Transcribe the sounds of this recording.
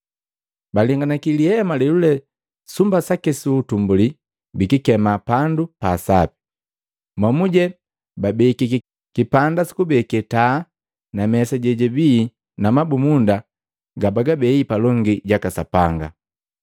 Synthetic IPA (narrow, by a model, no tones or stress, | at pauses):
baliŋɡanakiliɛmalɛlulɛ | sumbasakɛsuːtumbuli | bikikɛmapandupaːsapi̥ | mwamuɟɛ | babɛkik | kipandasi̥kubɛkɛta | namɛsaɟɛɟɛbi | namabumunda | ɡabaɡabɛipalɔŋɡiɟakasapaŋɡa̰